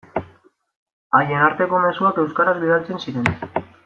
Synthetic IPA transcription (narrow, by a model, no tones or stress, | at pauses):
aje̞naɾt̪e̞ko̞me̞suake̞wskaɾazbið̞alt͡se̞nsiɾe̞n